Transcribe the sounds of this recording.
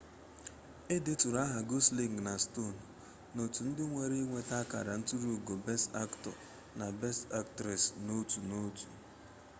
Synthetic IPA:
ɪ˦dɪ˦tu˨ɾa˦ɦa˨ɡo˦sli˨ŋɡna˨sto˦˨n˨ | no˨tu˨n̩˦dɪ˦ŋʷe˨ɾi˦ŋʷe˦ta˦ka̰˨ɾa˨n̩˦tu˦ɾu˦˨ɡo˨bɛ˦sta̰˦ktɔ̰˨ | na˨be˦sta˦k̚tɾe˨sno˦tu˨no˦tu̥̰˨

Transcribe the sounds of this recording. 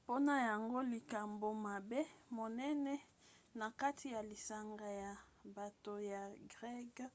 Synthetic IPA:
po˦na˨ja˨ŋɡo˦li˨ka˨mbo˨ma˨be˦mo˨nɛ˦nɛ˦ | na˨ka˦tʰi˨ja˨li˨sa˨ŋɡa˨ja˨ba˨to˨ja˨ɡʁɛ˦ɡa˦

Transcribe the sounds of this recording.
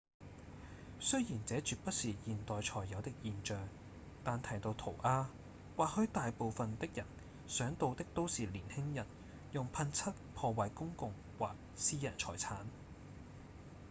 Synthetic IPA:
sɵ˥ɥjiː˨˩nt͡sɛː˨˥t͡ʃyː˨t̚pɐ˥t̚siː˨jiː˨nt̪ɔː˨jt͡ʃʰɔː˨˩jːɐ˨˧wt̪ɪ˥k̚jiː˨nt͡ʃœː˨˧ŋ | t̪aː˨nt̪ʰɐ˨˩jt̪o˧wt̪ʰo˨˩wʔaː˥ | waː˨t̚hɵ˨˥t̪aː˨jpo˨˧wfɐ˨nt̪ɪ˥k̚jɐ˨˩n | sœː˨˥ŋt̪o˧wt̪ɪ˥k̚t̪o˥wsiː˨˩liː˨˩nhɪ˥ŋjɐ˨˩n | jʊ˨ŋpʰɐ˧nt͡sʰɐ˥t̚pʰɔː˧waː˨jkʊ˥ŋkʊ˧ŋ | waː˨˩k̚siː˥jɐ̰˨˩nt͡ʃʰɔ̰ː˨˩jt͡sʰaː˨˥n

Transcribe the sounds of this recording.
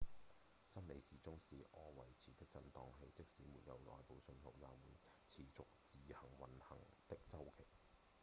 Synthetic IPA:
sɐ˥nle˨˧jsiː˨˩t͡sʊ˥ŋsiː˨ʔɔː˧wɐ˨˩jt͡sʰiː˨˩t̪ɪ˥k̚t͡sɐ˧nt̪ɔː˧ŋɦe˧jt͡sɪ˥k̚siː˨˥mṵː˨t̚jɐ̰˨˧wlɔ̰ː˨jpo˨˧wsɵ˧nhʰo˨˩wjaː˨˩wuː˨˩nt͡sʰiː˨˩t͡sʊ˨k̚t͡siː˨hɐ˨˩ŋwɐ˨nhɐ̰˨˩ŋt̪ɪ˥k̚t͡sɐ˥wkʰe˨˩j

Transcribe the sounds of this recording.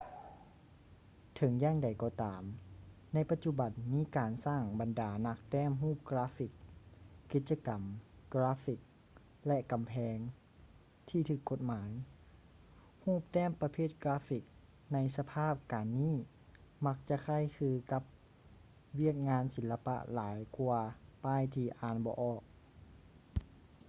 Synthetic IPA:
t̪ʰɤ˨˦ŋjaː˧˩˨ŋda˨˩jkɔː˧˩t̪aː˨m | na˧˥jpa˧t̪̚t͡ɕu˧ba˨˩nmiː˧˥kaː˨nsaː˧˥˩ŋba˨˩ndaː˨˩na˧˥k̚t̪ɛː˥˩˨mɦuː˥˩p̚kɾaː˧˥fi˧˩kː | i˧˥t̪̚t͡ɕa˧ka˨˩mːɾaː˦˥fi˧˩k̚ | lɛ˧˥ka˨mpʰɛː˧ŋ | t̪ʰiː˧˩t̪ʰɯː˧˩kʰːo˧˥t̪̚maː˨˦j | huː˥˩p̚t̪ɛː˥˨mpa˧pʰeː˥˩t̪̚kɾaː˧˥fi˧˩k̚ | na˧˥jsa˧pʰaː˥˩p̚kaː˨nːiː˥˩˨ | ma˧˥k̚t͡ɕa˧kʰa˧˥˩jkʰɯː˧ka˧˦p̚ | wi˥˩ək̚ŋaː˧˥nsi˨˦la˧pa̰˧˥ʔlaː˨˦jku˧ɐpaː˧˩˨jt̪ʰiː˧ʔaː˧˩nbɔː˧˦ʔɔː˧˩k̚

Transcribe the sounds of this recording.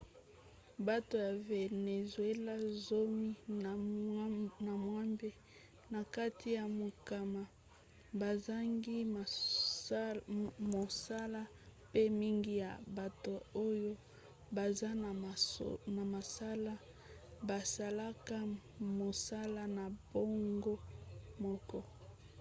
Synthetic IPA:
ba˦to˨ja˨ve˨ne˨zwe˦la˦zo˦mi˦ | na˨mwa˦mbe˦ | na˨ka˦tʰi˦ja˨mo˨ka˨ma˨ | ba˨za˦ŋɡi˦˨ | mo˨sa˦la˦ | pe˦mi˦ŋɡi˦ja˨ba˨to˨o˦jo˦ | ba˨za˦n˨na˨ma˨sa˦la˦ | ba˨sa˨la˦ka˦ | mo˨sa˦la˦na˨b̥o˦ŋɡo˦mɔ˦kɔ˦

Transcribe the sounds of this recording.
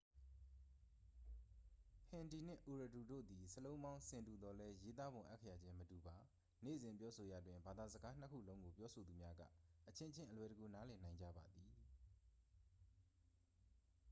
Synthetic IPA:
pʰɪ̃˨ndi˨n̥ɪ̰̃˦˨ʔu˨ɹə˨tu˨do̰˦˨d̪i˨səlõ˦ʊ̃mbã˦ʊ̃sɪ̃˨ntu˨d̪ɔ˨lɛ˦je˦t̪a˦bʊ̃˨ʔa˦kʰːə˦ja˨d͡ʑɪ̃˦mətu˨ba˨ | nḛ˦˨zɪ̃˨mpjɔ˦sʰo˨ja̰˨dwɪ̃˨mba˨d̪a˨zə˨ɡa˦n̥ə˦kʰṵ˦˨lõ˦ʊ̃ŋɡo˨pjɔ˦sʰo˨d̪u˨mja˦ɡa̰˦˨ʔət͡ɕʰɪ̃˦ʔt͡ɕʰɪ̃˦˨ʔə˨lwɛ˨ɾə˨ɡo˨na˦lɛ˨nã˨ɪ̃ɲd͡ʑa̰˦˨ba˨d̪i˨

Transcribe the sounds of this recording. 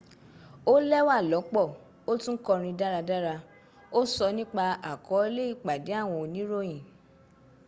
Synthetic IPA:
o˦lɛ˦wa˦˨lɔ˨˦k͡pɔ˦˨ | o˦tũ˦kɔ˧ɾ̃ĩ˧da˦ɾa˧da˦ɾa˧ | o˦sɔ˧nĩ˦k͡pa˧a˨kʰɔ˨˦e˦le˦i˦˨k͡pa˨de˨˦a˦˨w̃ɔ̃˧o˨nĩ˨˦ɾo˦j̃ĩ˨

